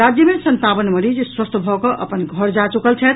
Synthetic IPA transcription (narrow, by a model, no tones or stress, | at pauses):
ad͡ʒjəmesənt̪abənməɾid͡ʒeswəst̪ʰbʱɔkɔʔʔəpənɡʱəɾd͡ʒat͡ʃukəlt͡ʃʰɛt̪̚